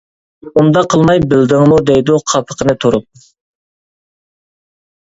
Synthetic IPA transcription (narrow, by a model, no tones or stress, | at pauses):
und̪ɑqʰəlˠmɑjbɪld̪ɪŋmud̪ɛjd̪uqʰɑpʰə̥qʰənɨt̪ʰoɾup̚